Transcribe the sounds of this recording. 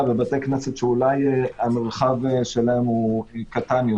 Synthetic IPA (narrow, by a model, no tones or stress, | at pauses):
vebat̪ekneset̪ʃeulajameʁχavʃelaemukat̪anjo